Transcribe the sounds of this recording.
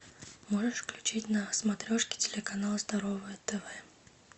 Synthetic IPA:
moʐɨʂfklʲʉt͡ɕitʲnəsmɐt̪ɾʲoʂkʲɪ̥tʲɪlʲɪkɐnalˠəzd̪ɐɾovəjət̪ɛvɛ

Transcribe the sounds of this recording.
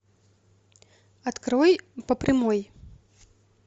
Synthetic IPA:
ɐt̪kɾɔjpɐpɾɨmɔj

